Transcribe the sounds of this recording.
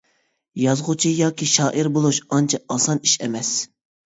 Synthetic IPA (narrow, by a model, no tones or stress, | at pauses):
jɑzʁʊt͡ʃʰijɑːkʲʰiʃɑːʔiɾbolˠuʃɑnt͡ʃʰɑɑsɑniʃɛmɛs